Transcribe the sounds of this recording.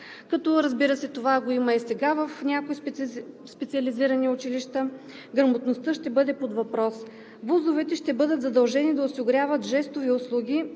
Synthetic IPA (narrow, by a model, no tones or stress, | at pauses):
kɐt̪ɔɾɐzbiɾəsɛt̪ovaɡoimɐisɛɡavəfnʲakoispɛt̪siəliziɾəniʊt͡ʃiliʃt̪ə | ɡɾɐmot̪nost̪ɤʃt̪ɛbɤd̪ɛpod̪vɐpɾɔs | vuzovɛt̪ɛʃt̪ɛbɤd̪ət̪zɐd̪ɐlˠʒɛnid̪ɐʊsiɡɾʲavət̪ʒɛst̪oviʊslˠuɡʲi